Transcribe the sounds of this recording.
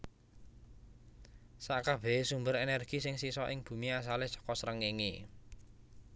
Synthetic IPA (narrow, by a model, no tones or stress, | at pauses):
saʔkab̥ɛ̤sumbəɾenɛrɡ̥isɪŋsisɔʔɪŋb̥ṳmias̬alehsɔ̥kɔsɾəŋiŋḭ